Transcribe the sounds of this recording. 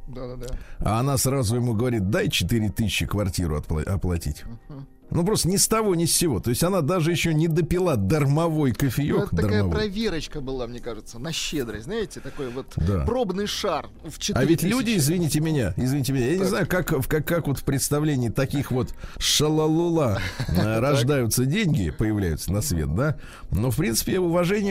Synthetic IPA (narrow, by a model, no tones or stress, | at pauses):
d̪aa̰ɐnasrazʊjɪmuɡəvɐɾʲit̪̚d̪ajt͡ɕɪt̪ɨɾʲɪt̪ɨsɪɕːɪkvɐrtʲiɾʊ̰ɐ̰t̪pˠɐ̰ɐ̰plˠɐ̰tʲḭtʲ | nup̬ɾost̪ənʲɪst̪ɐvo̞nʲɪsʲt͡ɕːɪvo̞t̪o̞ɪsʲtʲɐnad̪aʐɨjɪɕːo̞nʲɪd̪əpʲɪlˠad̪ərmɐvo̞jkəfʲɪjod̪əramjɐpɾɐvʲeɾət͡ɕkəbɨlˠamnʲekaʐɨt̪sənɐɕːed̪ɾəznajɪtʲɪt̪ɐkojvot̪dd̪a̰pɾobnɨjʂar | ft͡ɕavʲɪtʲlʲudʲɪɪzvʲɪnʲitʲɪmʲɪnʲa̰ɪzvʲɪnʲitʲɪmɪnʲajanʲɪznajʊkakfkakːakvo̞t̪fpɾʲɪt̪st̪ɐvlʲenʲɪːt̪ɐkʲixvo̞t̪ʂəlˠəlˠʊlˠa | ɾɐʐd̪ajʊt̪sədʲenʲɡʲɪ̰pəjɪvlʲæ̰jʊ̰t̪sənɐsvʲḛt̪̚d̪a | no̞fpɾʲint̪sɨ̥pʲɪʊvɐʐɛnʲɪj